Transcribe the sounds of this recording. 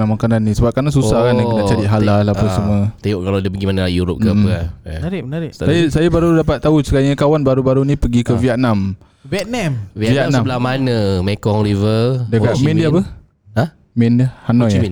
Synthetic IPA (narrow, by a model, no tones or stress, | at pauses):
amakananːisəbap̚kanas̬usakanaənat͡ʃaɾiʔɦalalapəsəmuət̪eoʔkalawdapəɡimanəlaiuɾʊp̚kə | aɾɪənaɾɪsajasajabaɾudap̬at̪ːausəkaɲakawanbaɾubaɾunipəɡikəviat̪̚nam | vɛt̪̚namviviat̪nambəlamanəmekɔŋɾivəldakamindiapə | a | mindiahanɔa